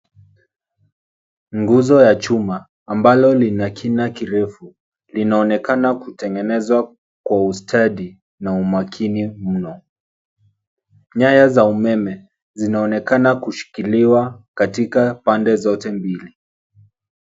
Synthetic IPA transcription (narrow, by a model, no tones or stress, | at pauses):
ŋɡuzɔjat͡ʃumaː | mbalɔlinakʰinakiɾɛfu | linaɔnɛkanakutɛŋɡɛnɛzwa | kwaustʰaɗi | naumakʰinim̩nɔ | ɲajazaumɛmɛ | zinaɔnɛkanakuʃi̥kiliwakatikapandɛzɔtɛmbili